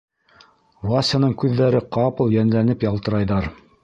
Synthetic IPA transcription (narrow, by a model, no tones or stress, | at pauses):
vuasʲanɤɴkʉðːæɾɘqɑpɤ̆lˠjænlænɘpjɑlˠt̪ɤ̆ɾɑjðɑɾ